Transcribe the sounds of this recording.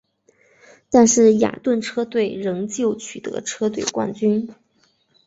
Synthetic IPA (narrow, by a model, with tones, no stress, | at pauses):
t̪a˥˧nʂɻ̩˥˩ja̰˨˩t̪wə˥˩nʈ͡ʂʰɤ˥t̪we˥˩ɪɻɤ˧˥ŋt͡ɕjo˥˩ʊt͡ɕʰy˨˩t̪ɤ̰˧˥ʈ͡ʂʰɤ˥t̪we˥˩ɪkwa̰˥˩nt͡ɕy˥n